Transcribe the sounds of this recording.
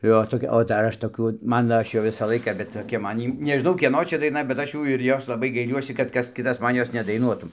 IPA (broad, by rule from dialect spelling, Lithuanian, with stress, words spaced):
ˈjoː toːˈkʲɛ oː dɐr ˈɐʃ toːˈkʲuː ˈmɑːnoː ˈɐʃ jɛʊ ˈʋʲɪsɑː ˈlˠɐɪkɑː bʲɛt toːˈkʲɛ ˈmɐn ˈjiː nʲɛʒʲɪˈnɐʊ ˈkʲiɛnoː ˈt͡ʃʲɛ dɐɪˈnɐ bʲɛt ˈɐʃ ˈjuː ɪr ˈjoːs lˠɐˈbɐɪ ɡɐɪˈlʲuɔsʲɪ kɐt ˈkɐs ˈkʲɪtɐs ˈmɐn ˈjoːs nʲɛdɐɪˈnuɔtuː